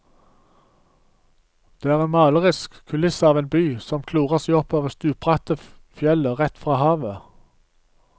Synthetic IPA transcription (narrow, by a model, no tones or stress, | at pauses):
d̪̥eːæːʁeːnmɑːləʁɪskkʰʉlɪsəɑːʋeːnbyːsɔmkʰluːʁəʁsæɪɔpoːʋəʁst̪ʉːpʁɑt̪əfjɛləʁɛt̪fʁɑːhɑːʋə